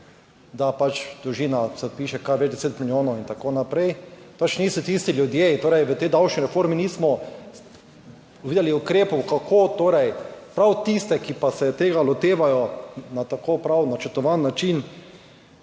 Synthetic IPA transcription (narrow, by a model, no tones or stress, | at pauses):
d̪apat͡ʃd̪ɾuʒiːnasɛpiːʃɛkaɾʋɛd͡ʒd̪ɛseːt̪miljoːnɔwint̪akoːnapɾɛjpat͡ʃniːsɔt̪ist̪iljʊd̪jet̪oːɾɛjʋət̪ɛjd̪awʃniɾɛfoɾminiːsmɔ | ʋiːd̪ɛliʊkɾeːpɔwkakʰoːt̪oːɾɛjpɾawt̪ist̪ɛkipasɛt̪eːɡalɔt̪eːʋajɔnat̪akoːpɾawnat͡ʃəɾt̪ɔʋanːat͡ʃin